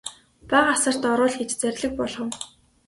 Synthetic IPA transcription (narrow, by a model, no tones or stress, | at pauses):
pæɢasə̆r̥t̪ɔɾʊːɮxet͡ɕt͡sæɾʲɮɘ̆k̚pɔɮχɞ̆w